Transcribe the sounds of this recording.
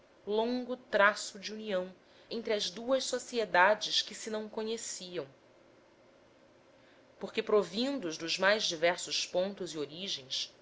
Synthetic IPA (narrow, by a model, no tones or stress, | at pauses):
lõŋɡʊt̪ɾasʊd͡ʒiuniɐ̃w̃ | ẽnt̪ɾɪɐzd̪uɐʃsosied̪ad͡ʒɪskɪsɪnɐ̃w̃koɲesiɐ̃w̃ | poχkepɾovĩnd̪ʊzd̪ʊzmajzd͡ʒivɛɾsʊspõnt̪ʊzioɾiʒẽj̃s